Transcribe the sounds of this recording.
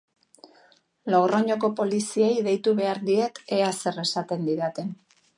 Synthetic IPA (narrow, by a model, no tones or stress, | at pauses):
lawroɲo̞ko̞po̞lisiejðe̞jt̪uβe̞aɾd̪ie̞t̪e̞ase̞re̞sat̪e̞nd̪iɾat̪e̞n